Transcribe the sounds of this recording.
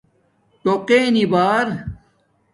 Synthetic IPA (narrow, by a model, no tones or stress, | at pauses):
t̪oqenibaːɾ